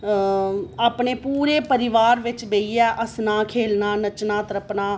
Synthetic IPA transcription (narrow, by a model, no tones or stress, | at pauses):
aːpɳeːpuːɾeːpəɾɪʋaːɾʋɪt͡ʃbeːiːɛːʔəsnaːkʰeːlnaːnət͡ʃnãːt̪əɾəpnaː